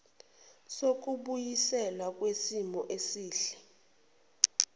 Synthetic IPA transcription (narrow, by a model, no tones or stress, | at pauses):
sok̬ʼuɓujisɛlwak̬ʼwesimɔʔesiːɬɛ̥